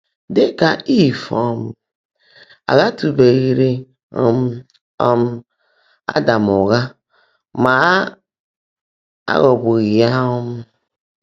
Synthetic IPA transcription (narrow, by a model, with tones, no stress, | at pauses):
de˦ka˨i˦˨fɔ˨m˨ | a̰˨ɣa˦tu˨be˨ɣi˨ɾe˦ | ɔ̰˦m˦ | ɔ˦m | a̰˦da˨mo˨ɣa˦ | ma˨˦ | a̰˦ɣɔ˨bo˨ɣi˨a˦ɔ˦m˦